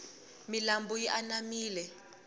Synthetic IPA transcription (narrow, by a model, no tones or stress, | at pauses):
milambujiʔanamiːlɛ